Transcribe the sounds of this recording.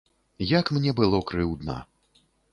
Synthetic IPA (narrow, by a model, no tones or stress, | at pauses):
jɐkmnʲɛbɨlˠɔkɾɨwd̪nɐ̰